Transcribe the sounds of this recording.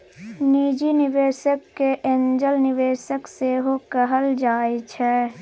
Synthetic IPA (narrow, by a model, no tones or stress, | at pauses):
niːd͡ʒinɪʋeːsəkːeʔẽnd͡ʒəlnɪʋeːsəkseːɦokəɦəld͡ʒaːet͡ʃʰɛː